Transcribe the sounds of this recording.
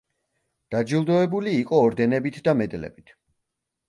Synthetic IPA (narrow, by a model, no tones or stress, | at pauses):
d̪̥ad͡ʒilˠd̪ɔɛbuliːqʼɔːɾd̪ɛnɛbit̪ʰd̪amɛd̪lɛ̰bit̪ʰ